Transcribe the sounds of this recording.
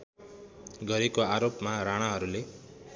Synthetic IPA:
ɡʌɾekoaɾopmaɾaɽ̃aɦʌɾule

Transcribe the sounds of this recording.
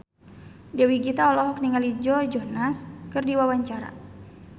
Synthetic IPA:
d͡ʒawiɡit̪aɔlɔɦɔk̚niŋalid͡ʒɔd͡ʒɔhnaskɨrdiwawaɲt͡ʃaɾa̰

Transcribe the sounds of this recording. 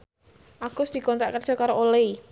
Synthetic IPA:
ʔaɡ̥ʊsd̪̥ikɔnt̪ɾaʔkərd̥ʒ̥ɔ̤kaɾoʔolei

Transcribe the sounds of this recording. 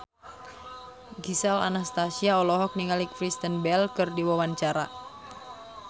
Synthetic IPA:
ɡisala̰nast̪asiaɔlɔɦɔk̚niŋalikfɾist̪ənbɛlkɨrdiwawant͡ʃaɾa

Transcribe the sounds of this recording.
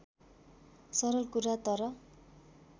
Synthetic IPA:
sʌɾʌlkuɾat̪ʌɾʌ

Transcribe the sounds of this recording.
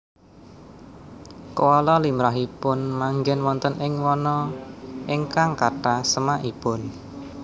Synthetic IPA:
kwɔlɔlimɾaɦipʊnmaŋɡɛnwɔnt̪ənɪŋwɔnɔʔeŋkaŋkaʈasəmaʔipʊn

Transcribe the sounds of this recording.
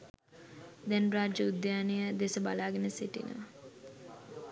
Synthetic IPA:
d̪ɛnɾaːd͡ʒəud̪jaːnejəd̪esəba̰laːɡenəseʈḭnə̰ʋə

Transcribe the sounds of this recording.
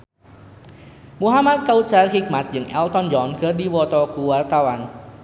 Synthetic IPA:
muɦamat̪̚kaut͡ʃarhik̚mat̪̚d͡ʒɨŋʔɛlt̪ɔnd͡ʒɔnɡə̤rdiwɔt̪ɔkuwart̪awan

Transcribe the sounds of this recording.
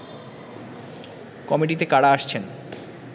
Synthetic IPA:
kɔmiʈit̪ekaɽaaʃt͡ɕʰen

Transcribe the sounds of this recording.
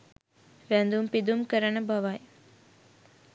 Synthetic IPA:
ʋænd̪umpid̪umkəɾənəbaʋaj

